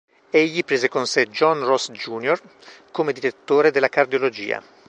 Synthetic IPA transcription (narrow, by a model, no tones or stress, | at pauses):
eʎːipɾeːzekonsed͡ʒɔnrɔsd͡ʒuːnjor | komed̪iɾet̪ːoːɾed̪elːakard̪jolod͡ʒḭːa̰